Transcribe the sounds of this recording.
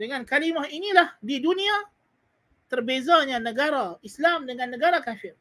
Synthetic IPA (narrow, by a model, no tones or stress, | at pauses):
dəŋankalimaɦinilahdidunia | t̪ərbezaɲanəɡaɾaislamdəŋanːəɡaɾakafɪr